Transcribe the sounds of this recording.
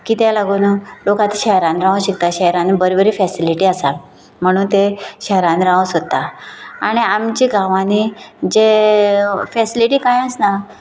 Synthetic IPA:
kit̪ɛlaɡunəlokat̪i̥ɕɛɦɾanɾãwũɕikt̪aɕɛɾanibəɾibəɾiːfɛsiliʈiːəsal | m̤əɽ̃uːnt̪eɕɛɦɾanɾãwũsot̪ːaaɽ̃iamt͡ɕiɡʱaʋãnid͡ʑe | fɛsiliʈiːkãjəsna

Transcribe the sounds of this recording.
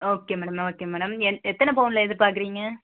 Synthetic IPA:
oːkeːmɛːɽɐmoːkːeːmɛːɽɐmɛnɛt̪ːɐnɐpoːnɪlɐɛðɯpaːɾkɪɾiːŋɡɐ

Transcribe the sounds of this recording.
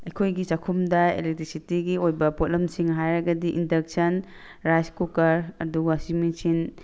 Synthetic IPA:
ɐjkʰojɡit͡ʃakʰumdɐḛlek̚tɾisitiɡiojbɐpot̚lɐmsiŋɦajɾɐɡɐdiʔindɐk̚sɐn | ɾajskukɐɾɐduɡsimisin

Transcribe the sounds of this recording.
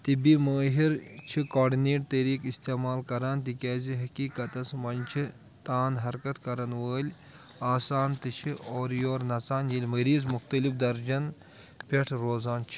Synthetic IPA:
t̪ibimɐːɦiɾt͡ʃʰikoːɖineːʈ̚t̪ɐɾiːkist̪eːmaːlkɐɾaːnt̪ikʲɛːziɦɐkiːkɐt̪ɐsmɐnt͡ʃʰi | t̪aːnɦɐɾkɐt̪kɐɾɐnʋəːlʲ | aːsaːnt̪ɨt͡ʃʰioːɾjoːɾnɐt͡saːnjilʲmɐɾiːzmuxt̪ɐlifd̪ɐɾd͡ʒɐn | pʲeʈʰɾoːzaːnt͡ʃʰi̥

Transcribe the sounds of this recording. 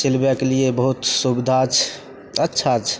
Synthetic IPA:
sɪlbjakeliebəɦut̪subid̪ʱat͡ʃʰ | ətːʃʰat͡ʃʰ

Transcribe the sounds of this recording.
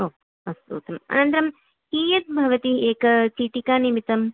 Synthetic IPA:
oː | ɐst̪ṵːt̪ɐmɐ̰nɐnt̪ɐɾɐm | hiːjɐt̪̚bʱɐʋɐt̪ieːkɐt͡ʃiːʈikaːnimit̪ɐm

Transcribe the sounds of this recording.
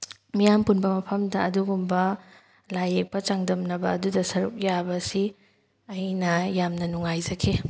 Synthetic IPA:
mijampunbɐmɐpʰɐmdɐːduɡumbɐ | lajek̚pɐt͡ʃaŋdɐmnɐbɐːdudɐsɐɾṵk̚jabɐsi | ɐjnɐjamnɐnuŋajzɐkʰe

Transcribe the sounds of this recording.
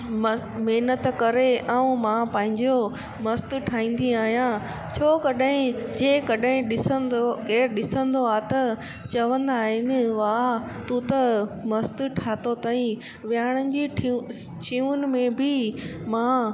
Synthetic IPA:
m | meɦnət̪kɐɾeʔãũmãpɐ̃ːɦɪ̃ɲd͡ʑo | mɐst̪ʊʈʰaːĩːn̆d̪iaːɦijã | t͡ɕʰoːkɐɗaɦɪ̃d͡ʑeːkɐɗãɦɪ̃ɗɪsənd̪okeːɾɗɪsə̃nd̪oaːt̪ɐ | t͡ɕɐʋə̃nd̪aːɦɪnɪ̆ʋaːt̪ũt̪ɐmɐst̪ʈʰaːt̪ot̪aːĩ | ʋjaːɽ̃ənɪ̆d͡ʑiʈʰit͡ɕʰiuʊnɪ̆mẽbɪmã

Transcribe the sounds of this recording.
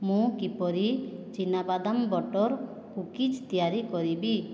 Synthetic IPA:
mũkipɔɾit͡ʃinabad̪ambɔʈɔɾ | kukid͡ʒt̪ijaɾikɔɾibi

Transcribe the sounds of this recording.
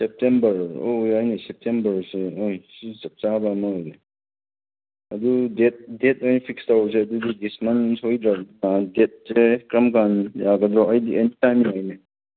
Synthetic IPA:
sep̚tembɐɾojajnesep̚tʰembɐɾseojsizɐp̚t͡ʃabɐːmɐhojne | ɐdudet̚det̚ojnpʰikstawɾs̬eɐdudidismɐnshojd̪ɾak̚nadet̚sekɾɐmkanjaɡɐd̪ɾɔɐjdiʔentitajmiŋajne

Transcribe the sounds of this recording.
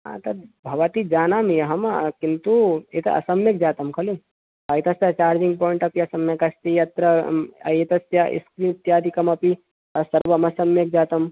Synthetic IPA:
ɦã̰ːt̪ɐbʱɐʋɐt̪id͡ʒaːnaːmjɐɦɐmkint̪uet̪ɐ̰ɐ̰sɐmjɐk̚d͡ʒaːt̪ɐmkʰɐli | ɐit̪ɐst̪jɐt͡ʃaːɾd͡ʒiŋɡ̚poːiɳʈɐpiɐsɐmjɐkɐst̪ijɐt̪ɾɐɐ̰jet̪ɐsjaʔḭskɾimt̪jaːd̪ikɐmɐpi | ɐsɐɾʋɐmɐsɐmjɐk̚d͡ʒaːt̪ɐm

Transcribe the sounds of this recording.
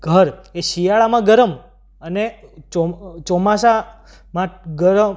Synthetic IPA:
ɡ̥ʱəɾeʃijaɭamãɡəɾəm | ənet͡ʃɔt͡ʃɔmasa | mãɡəɾəm

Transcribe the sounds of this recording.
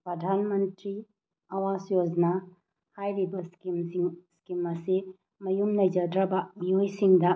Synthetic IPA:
pɾɐdʱanmɐntɾi | ɐwasjod͡ʒna | hajɾibɐskimiŋskimɐsi | mɐjumnɐjd͡ʒɐdɾɐbɐmijojsiŋdɐ

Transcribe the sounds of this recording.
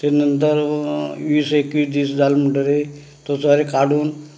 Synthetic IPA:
t̪enənt̪əɾʋiːsekʋiːsd̪iːsd͡zalməɳʈəɾe | t̪ot͡soɾekaɽuːn

